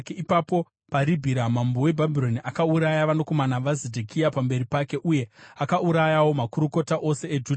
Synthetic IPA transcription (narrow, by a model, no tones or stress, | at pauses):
keipapo̞ | paɾibʱiɾamambo̞we̞bʱabʱiɾo̞niʔakauɾajaʋano̞ko̞manaʋazedʱekʰijapambe̞ɾipake̞ʔuje̞akauɾajawo̞makuɾuko̞taʔo̞se̞ed͡ʒud